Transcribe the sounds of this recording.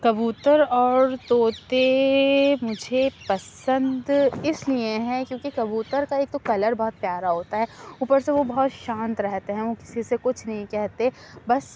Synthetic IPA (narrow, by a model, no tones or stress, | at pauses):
kɐbuːt̪əɾɔːɾt̪oːt̪e | mʊd͡ʒʱepɐsə̃nd̪ɪslieɦɛ̃kjõːkikɐbuːt̪əɾkaeːk̚t̪okɐləɾbɐɦɔt̪̚pjaːɾaɦoːt̪aɦɛːuːpəɾseʋobɐɔɦɔt̪ʃãːnt̪ɾɛɦt̪eɦɛ̃ʋokɪ̥sisekʊt͡ʃʰnɐɦĩkɛɦt̪eɦ | bɐs